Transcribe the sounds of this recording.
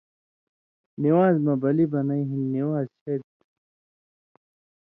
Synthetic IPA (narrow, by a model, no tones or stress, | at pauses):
niwaːzmɐbɐlibɐnɐiɦinːiwaːzɕʰeɽt̪